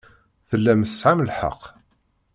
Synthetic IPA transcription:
θəlːæməsʕamlħɑ̰qː

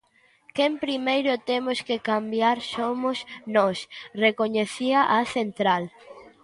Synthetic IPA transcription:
kempɾimejɾʊt̪emʊskekambjaɾsomʊsnɔsrekoɲeθiɐʔɐθent̪ɾal

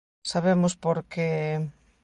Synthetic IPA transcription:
saβemʊspoɾke

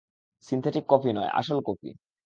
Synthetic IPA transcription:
sint̪ʰeʈikːɔfinɔea̰ʃolkɔpʰḭ

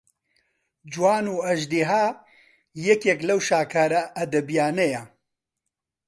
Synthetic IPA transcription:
d͡ʒuwaːnuːɐʒd̪iɦaː | jɛkjɛklɐwʃaːkʰaːɾaʔːd̪ɐbijaːneja

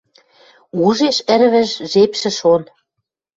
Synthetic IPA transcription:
uʒeʃɘ̆ɾβɘ̆ʒʒepʃɘ̆ʃon

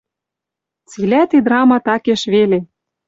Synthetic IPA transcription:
t͡silæt̪id̪ɾɑmɑt̪ɑkeʃβele

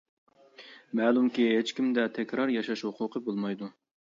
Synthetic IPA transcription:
mɛːlˠumkʲiɦet͡ʃkʲimd̪ɛt̪ʰɛkʲɾɑɾjɑʃɑʃhuqʰʊqʰəbolˠmɑjd̪u

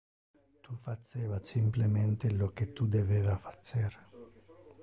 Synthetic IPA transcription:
t̪ufat͡ʃːeːvasimplement̪eloket̪ːud̪eveːvafḁt͡ʃːeɾ

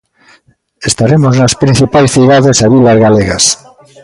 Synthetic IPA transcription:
est̪aɾemoznaspɾĩn̟θipajsθiðaðesaβilazɣaleɣas

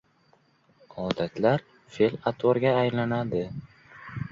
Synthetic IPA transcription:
ɒd̪at̪ʰlaɾ | felat̪ʰoɾɡʲaːjlanad̪ɪ

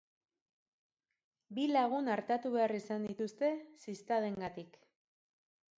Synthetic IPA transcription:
bilaɣ̞unaɾt̪at̪uβe̞arisand̪it̪ust̪e̞sist̪aðe̞ŋɡat̪ik

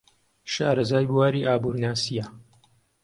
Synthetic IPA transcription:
ʃaːɾɐzaːjbuwaːɾiːʔaːbuːɾnaːsija

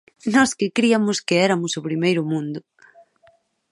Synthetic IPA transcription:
nɔskɪkɾiamʊskɪɛɾamʊsʊpɾimejɾʊmũnd̪ʊ

